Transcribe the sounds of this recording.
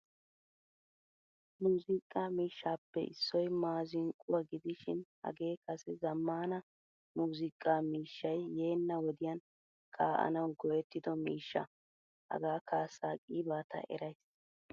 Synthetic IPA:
muːzɪkʼːaːmiːʃːaːpːɛ̰ʔɪ̰sːɔjmaːzɪŋkʼʊwɐɡɪd̪ɪʃɪnhɐ̰ɡe̞ːkɐsɛzɐmːaːnɐ | muːzɪkʼːaːmiːʃːɐjːe̞ːnːɐwɔd̪ɪjɐn | kʰaːʔɐ̰nɐwɡɔjɛt̪ːɪd̪ɔmiːʃːɐ̰ | hɐ̰ɡaːkʰaːsaːkʼiːbaːt̪ʰɐ̰ʔɛ̰ɾɐjs

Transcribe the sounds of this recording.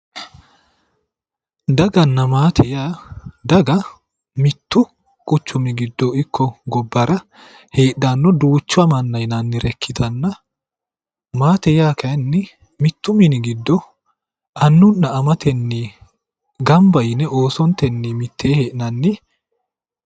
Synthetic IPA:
d̪ɐɡɐnːɐmaːt̪ʰɛjaːd̪ɐɡɐ | mɪt̪ːʊ | kʼʊt͡ʃːʊmɪɡɪd̪ːɔɪkʰːɔɡɔbːɐɾɐ | he̞ːɗːanːɔd̪uːt͡ʃːʊɐmɐnːɐjnɐnːɪɾɛkʰːɪt̪ʰɐnːɐ | maːt̪ɛjaːkʰɐnːɪ | mɪt̪ːʊmɪnɪɡɪd̪ːɔ | ʔɐnːʊnːɐːmɐt̪ɛnːiː | ɡɐmbɐjnɛʔo̞ːsɔnt̪ɛnːiːmɪt̪ʰːeːheːʔnɐnːɪ

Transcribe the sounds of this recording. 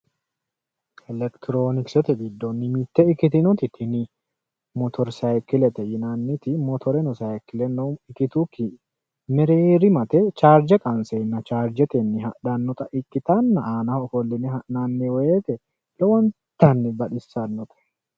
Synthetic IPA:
ɛlɛkt̪ɪɾoːnɪksɛt̪ɛɡɪd̪ːɔnːɪmɪt̪ːɛɪkːɪt̪ɪnʊt̪ɪt̪ʰːɪnɪ | mɔt̪ʰɔɾsajkːɪlɛt̪ɛjɪnaːnːɪt̪ɪmɔt̪ʰɔɾɛnɔsajkɪlɛnːɔɪkɪt̪ukːɪ | mɛɾeːɾɪmɐt̪ɛt͡ʃaːɾd͡ʒɛkʼɐnseːnːɐt͡ʃaːɾd͡ʒɛt̪ɛnːɪɦɐᶑɐnːɔt̪ʼɐʔɪkːɪt̪ɐnːɐʔaːnɐɔfɔlːɪnɛhɐʔnanːɛweːt̪ɛ | lɔwɐn | t̪ːɐnːɛbɐᶑɪsːɐnːɔt̪ɛ̥

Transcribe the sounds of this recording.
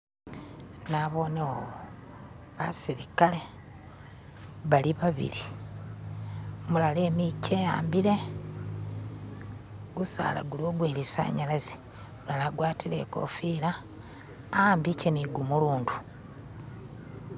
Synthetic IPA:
naβo̞newo | βasiɾikale | βaliβaβḭɾi | mulale̞ːmicejaːmbiɾe̞ | ɡusa̰ːla̰ɡuloːɡweːlisa̰ːɲalazi̥ | mulalaɡwaːtile̞̰ko̞̰fiːɾaː | mbiceniɡumuluːndu̥

